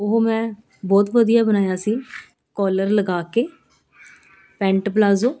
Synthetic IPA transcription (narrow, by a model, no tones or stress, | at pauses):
ʊɦoːmɛ̃ː | bɔːt̪ʋəd̪ijaːbənaːjaːsiː | kɔːləɾləɡaːkeː | pɛ̃ːɳʈplaːzoː